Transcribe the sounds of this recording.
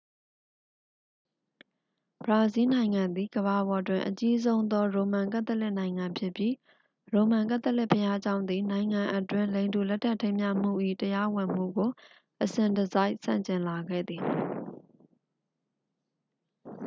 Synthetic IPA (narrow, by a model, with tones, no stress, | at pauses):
bəɹa˨zi˦nã˨ɪ̃ŋã˨nd̪i˨ɡəβa˨bɔ˨twɪ̃˨ʔət͡ɕi˦zõ˦ʊ̃nd̪ɔ˦ɹõ˨mã˨ŋk̬ã˦ə˦˨lɪ˦ʔnã˨ɪ̃ŋã˨mpʰjɪ˦pji˦ | ɹõ˨mã˨ŋkã˦t̪ə˦ʔlɪ˦ʔpʰəja˦d͡ʑã˦ʊ̃nd̪i˨nã˨ɪ̃ŋã˨ʔə˦twɪ̃˦˨nlẽ˨ndu˨lɛ˦tʰːa˦˨tʰẽ˦ɪ̃mja̰˦˨m̥ṵ˦˨ʔḭ˦˨təja˦wɪ̃˨m̥ṵ˦˨ɡo˨ | ʔəsɪ̃˨ndəza˦ɪʔsã̰˦˨ɲt͡ɕɪ̃˨nla˨ɡɛ̰˦˨d̪ði˨